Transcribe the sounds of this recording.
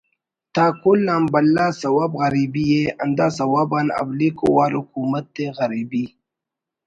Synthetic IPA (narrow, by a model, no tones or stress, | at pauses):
t̪akʊlːaːmbalːasɐwaːbɣaɾibijea̰nd̪asawabana̰blikʊwaːɾhʊkumat̪̚d̪eɣaɾibi